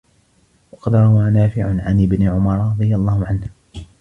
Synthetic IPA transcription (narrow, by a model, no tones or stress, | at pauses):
wɑqɑd̪ɾˤɑwaːnaːfɪʕʊʕanʔɪbnɪʕʊmɑɾˤɾˤɑd̪ˤɨjalˤːɑːhʊʕanh